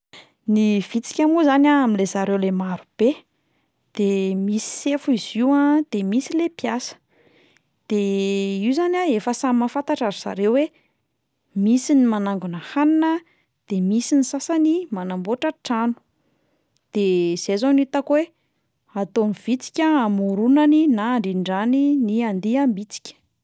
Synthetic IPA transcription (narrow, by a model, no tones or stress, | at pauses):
niv̥it͡si̥kʲamuzanʲaaminlezaɾewlemaɾub̥e | d̪̥emisi̥sefuiziwãd̪̥emisilepjasə̥ | d̪̥eiwzanʲaefəsammafant̪aʈ͡ʂaɾiz̥a̰ɾewwe | misinimanaŋɡunəhaninə | d̪̥emisinisasanimanamboʈ͡ʂəʈ͡ʂanu̥ | d̪̥ez̥ezonit̪akwe | at̪oniv̥it͡si̥kʲəamuɾunaninaːɳɖ͡ʐiɳɖ͡ʐaniniand̪iambit͡si̥kʲə̥